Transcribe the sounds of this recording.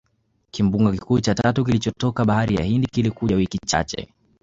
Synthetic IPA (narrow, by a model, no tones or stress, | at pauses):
kimbuŋɡakikuːt͡ʃatatukilit͡ʃɔtɔkaɓahaɾija̰hindikilikuʄawikit͡ʃa̰t͡ʃɛ̰